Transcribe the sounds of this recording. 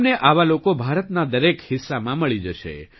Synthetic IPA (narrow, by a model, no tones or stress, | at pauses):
neʔaʋalokobʱaɾət̪nad̪əɾekhɪsːamãməɭid͡ʒəʃḛ